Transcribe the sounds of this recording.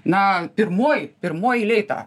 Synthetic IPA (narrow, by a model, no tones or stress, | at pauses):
nɐpʲɪrmoːjpʲɪɾmoːjilʲɛɪt̪ɑ̰ː